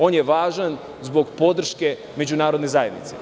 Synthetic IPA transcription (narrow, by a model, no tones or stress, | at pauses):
o̞ːnjeʋaːʒan | zbo̞ɡpo̞d̪r̩ʃke̞ | me̞d͡ʑunaːɾod̪nezaːjed̪nḭt̪se